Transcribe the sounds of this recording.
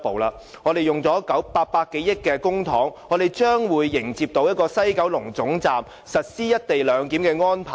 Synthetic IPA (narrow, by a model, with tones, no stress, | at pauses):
po˨wlaː˧ | ŋɔː˨˧d̪e˨˩jʊ˨ŋt͡sɔː˨˥kɐ˨˥wpaː˧k̚paː˧ke˨˥jɪ˥kkːɛː˧kʊ˥ŋt̪ʰɔ̰ː˨˥ŋɔː˨˧d̪e˨jt͡ʃœː˥ŋwuː˨˧jːɪ˨˩ŋt͡siː˧p̚t̪o˨˧wjɐ˥t̚kɔː˧sɐ˥jkɐ˨˥wlʊ˨˩ŋt͡sʊ˨˥ŋt͡saː˨m | sɐ˨t̚siː˥jɐ˥t̚t̪e˨jlœː˨˧ŋkiː˨˥mkɛː˧ŋɔː˥npʰaː˨˩